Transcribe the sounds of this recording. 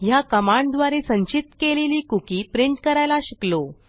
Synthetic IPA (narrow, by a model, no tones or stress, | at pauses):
jakəmaɳɖd̪ʋaɾesəɲt͡ɕit̪keleliːkukiːpɾiɳʈkəɾajlaɕiklo